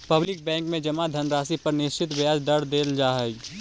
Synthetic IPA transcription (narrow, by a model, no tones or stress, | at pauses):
pɐblɪk̚bɛ̃ːŋkmẽd͡ʒɐmad̪ʱɐnɾaːsipɐɾnɪʃt͡ʃɪt̪ʋjaːd͡ʒd̪ɐɾd̪eːld͡ʒaːɦɛɡ